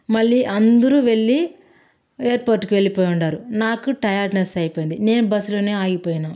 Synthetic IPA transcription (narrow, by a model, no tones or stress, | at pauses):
mɐɭːiʔɐnd̪uɾuʋe̞ɭːi | eːɾpoːɾʈːukiʋe̞ɭːipoːjuɳɖaːɾunaːkuʈɐjaːɾʈnɐsɐjipojind̪ine̞ːnubɐslo̞ːne̞ːaːjipoːjinaː